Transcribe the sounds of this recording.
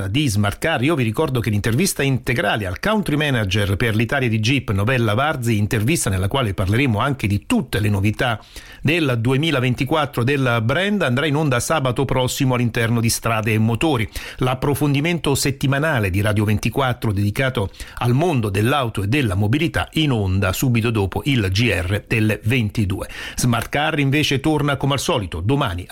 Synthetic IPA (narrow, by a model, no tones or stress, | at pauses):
ad̪izmart̪kariːoviɾikɔrd̪ok̟elːint̪ervist̪aint̪eɡɾaːlealkawnt̪ɾimɛnad͡ʒerperlit̪aːljad̪id͡ʒipːnovɛlːavard̪ziint̪ervist̪anelːakwaːleparleɾeːmoaŋk̟ed̪it̪ut̪ːelenovit̪a | d̪eld̪uemiːlavent̪ikwat̪ːɾod̪elbɾɛnd̪and̪ɾainond̪asaːbat̪opɾɔsːimoalːint̪ɛrnod̪ist̪ɾaːd̪eːmːot̪oːɾilapːɾofond̪iment̪oset̪ːimanaːled̪iɾaːd̪jovent̪ikwat̪ːɾod̪ed̪ikaːt̪oalmond̪od̪elːawt̪oed̪ːelːamobilit̪a̰inond̪asuːbit̪od̪oːpoʔild͡ʒiɛrːed̪̥elvent̪id̪ṵːez̥mart̪kariɱveːt͡ʃet̪ornakomealsɔːlit̪od̪omaːni